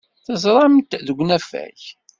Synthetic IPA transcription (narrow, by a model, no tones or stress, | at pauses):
θəzˤɾˤɑmt̪ðəɡʷnæfæ̰ç